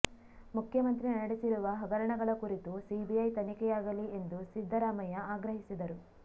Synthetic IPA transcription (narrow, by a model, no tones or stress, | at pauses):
mukʰjɐmɐnt̪ɾinɐɽisiɾuʋɐɦɐɡɐɾɐɳɐɡɐɭɐkuɾit̪usibiɐjt̪ɐnikɛjaːɡɐlie̞nd̪usid̪ʱːɐɾaːmɐjɐaːɡɾɐɦisid̪ɐɾu